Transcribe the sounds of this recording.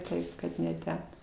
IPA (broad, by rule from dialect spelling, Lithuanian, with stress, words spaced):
ˈtɐɪp kɐt nʲɛ ˈtʲɛn